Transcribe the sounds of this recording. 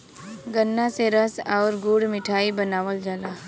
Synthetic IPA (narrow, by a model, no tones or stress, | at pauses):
ɡənːaseɾəsɔːɾɡuːɽmɪʈʰaːibənaːʋəld͡ʒaːlaː